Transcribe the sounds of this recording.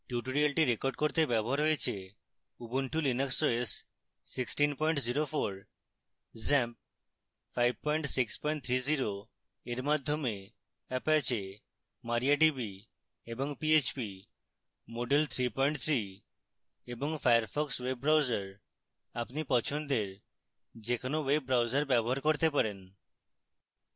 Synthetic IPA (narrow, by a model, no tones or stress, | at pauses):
ʈjuʈoɾialʈiɾekoɾɖkoɾt̪ebɛboɦaɾɦojet͡ɕʰe | ubunʈʰulineksoesː | iksʈinpɔjɳʈziɾofoɾ | zɛmp̚ | fajb̚pɔjɳʈsikspɔjɳʈt̪ʰɾiziɾo | eɾmad̪ʱːome | ɛpɛt͡ɕe | maɾijaʈibi | eboŋpiet͡ɕpi | moɖelt̪ʰɾipɔjɳʈt̪ʰɾi | eboŋfajaɾfɔkswebːɾawzaɾ | apnipɔt͡ɕʰond̪eɾ | d͡ʑekʰonoweb̚ːɾawzaɾbɛboɦaɾkoɾt̪epaɾen